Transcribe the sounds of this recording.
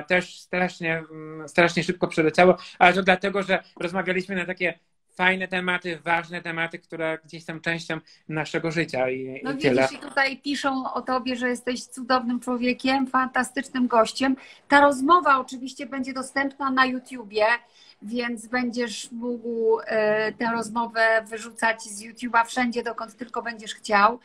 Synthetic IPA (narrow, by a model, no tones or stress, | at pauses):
t̪ɛʂst̪ɾaʂɲɛst̪ɾaʂɲɛʂɘp̚kɔpʂɛlɛt͡ɕawɔalɛt̪ɔd̪lat̪ɛɡɔʐɛɾɔzmavʲjalʲiɕmɘnat̪akʲɛ | fajnɛt̪ɛmat̪ɘvaʐnɛt̪ɛmat̪ɘkt̪uɾɛɡd͡ʑeɕsɔ̃w̃t͡ʂɛ̃w̃ɕt͡ɕɔ̃w̃ | naʂɛɡɔʐɘt͡ɕainɔvʲɛɛlɛɛt̪ut̪ajpʲiʂɛw̃ɔt̪ɔbʲjɛʐɛjɛst̪ɛɕt̪sud̪ɔvnɘmt͡ʂwɔvʲjekʲɛmfant̪ast̪ɘt͡ʂnɘmɡɔɕt͡ɕɛmt̪aɾɔzmɔvaɔt͡ʂɘvʲiɕt͡ɕɛbɛɲd͡ʑɛd̪ɔst̪ɛmpnanajut̪ʲjubʲjɛ | vʲjɛnt̪sbɛɲd͡ʑɛʂmuɡw | t̪ɛ̃w̃ɾɔzmɔvɛvɘʐut̪sad͡ʑzjut̪ʲjubafʂɛɲd͡ʑɛd̪ɔkɔnt̪ːɘlkɔbɛɲd͡ʑɛʂxt͡ɕaw